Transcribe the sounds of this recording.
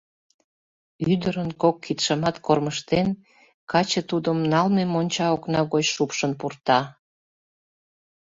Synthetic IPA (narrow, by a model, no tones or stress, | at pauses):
yd̪əɾənkokʰːit̪ʃəmɑt̪korməʃt̪en | kɑt͡ɕət̪ud̪əmnɑlmemonʲt͡ɕɑoknɑɣot͡ɕʃupʃənpurt̪ɑ